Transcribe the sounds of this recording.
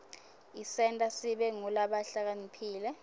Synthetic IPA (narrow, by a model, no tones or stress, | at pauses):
isɛntʼasiɓɛŋulaɓaɬak̬anipʰiːlɛ